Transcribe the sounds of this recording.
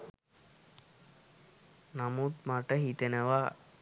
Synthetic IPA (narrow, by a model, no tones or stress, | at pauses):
namut̪maʈəɦit̪enəʋa